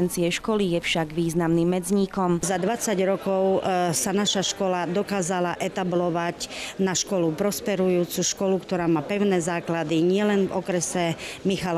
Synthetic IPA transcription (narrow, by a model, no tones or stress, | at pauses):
ɛnt͡siɛʃkɔlijɛfʃaɡʋiːznamnimːɛd͡zɲiːkɔmzad̪ʋat͡saɟɾɔkɔʊsanaʃaʃkɔlad̪ɔkaːzalaʔɛt̪ablɔʋacnaʃkɔlupɾɔspɛɾujuːt͡suʃkɔlukt̪ɔɾaːmaːpɛʊnɛːzaːklad̪iɲɪɛlɛnvɔkɾɛsɛmixal